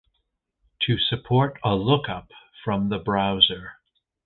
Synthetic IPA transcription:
tʰɨsɨpʰɔɹɾəlʊkʌp | fɹʌ̃mðəbɹaʊzə˞

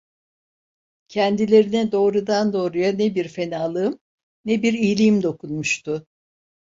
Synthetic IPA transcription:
cʰɛnd̪ilʲe̞ɾinɛd̪o̞ːɾud̪and̪o̞ːɾujanebiɾfe̞naːlˠɯɯm | nebiɾijlʲimd̪o̞kʰunmuʃt̪ʰʊ

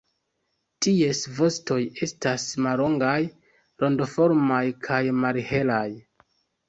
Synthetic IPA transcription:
tie̞svo̞sto̞je̞stasmalo̞ŋɡaj | ɾo̞ndofo̞ɾmajkʰajmalhe̞laj

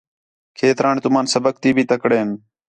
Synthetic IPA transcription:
kʰeːt̪ɾaːɳt̪ʊmãːnsəbək̚t̪iːbʱiːt̪əkɽeːn

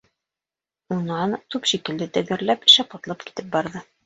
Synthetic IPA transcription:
unɑnt̪ʉpʃikɘ̆ld̪ɘt̪ɘ̆ɡɘ̆ɾlæpɘ̥̆ʃæpɑt̪lˠɑp̚ki̥t̪ɘp̚bɑɾðɤ

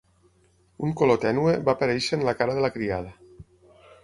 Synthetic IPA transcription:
uŋkolot̪ɛnueβapəɾɛjʃenlakaɾəðelakɾiað̞ə

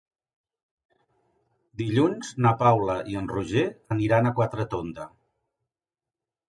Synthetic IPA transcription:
d̪iʎunznapawləʔiənruʒeəniɾanəkwat̪ɾət̪ond̪ə

